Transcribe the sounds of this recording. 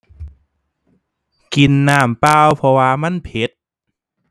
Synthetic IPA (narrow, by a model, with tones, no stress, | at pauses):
ki˧nːaː˧˩mpaː˧˩wpʰɔ˧waː˧ma˧˥˨npʰe˨˦t̪̚